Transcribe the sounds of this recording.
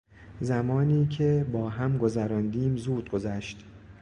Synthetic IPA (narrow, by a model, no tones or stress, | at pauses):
zæmɒːniːcʰebɒːɦæmɡo̞zæɾɒːnd̪iːmzuːd̪̥̚ɡo̞zæʃt̪